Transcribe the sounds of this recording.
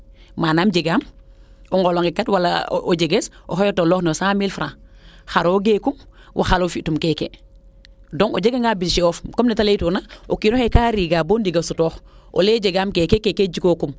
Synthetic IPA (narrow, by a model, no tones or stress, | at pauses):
manaːmɟeɡaːmoŋɡoloŋɡekatwala̰oɟeɡesʔoxɔjotolɔːxnosamilfɾãxaɾoɡeːkumwʔa̰xalofitumkeke | doŋo̰ɟeɡeŋɡabissiɔfkomnetalejtunaʔokinohekaːɾiɡaːbondiɡasutɔːx | ʔo̰leɟeɡaːmkeːkekekeɟikokum